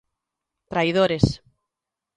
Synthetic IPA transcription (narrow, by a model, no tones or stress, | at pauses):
t̪ɾajðoɾes